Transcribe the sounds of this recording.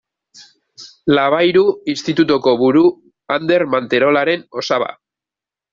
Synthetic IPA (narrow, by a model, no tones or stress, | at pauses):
laβ̞ajɾuinst̪it̪ut̪oko̞βuɾu | and̪e̞ɾmant̪e̞ɾo̞laɾe̞no̞saβa̰